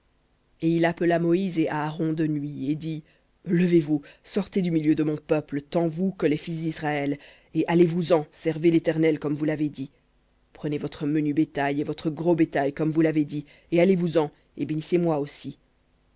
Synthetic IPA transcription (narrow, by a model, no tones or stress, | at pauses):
eilapəlamɔizeʔaːʁɔ̃d̪ənɥied̪i | ləvevusɔʁt̪ed̪ymiljød̪əmɔ̃pœplət̪ɑ̃vukəlɛfis̬d̪isʁaɛl | eʔalevuzɑ̃sɛʁvelet̪ɛʁnɛlkɔmvulaved̪i | pχənevɔt̪χəmənybet̪ajevɔt̪χəɡʁobet̪ajkɔmvulaved̪i | ealevuzɑ̃ | ebenisemwaosi